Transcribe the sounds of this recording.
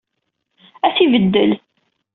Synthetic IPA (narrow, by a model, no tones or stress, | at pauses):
æθivəd̪ːəl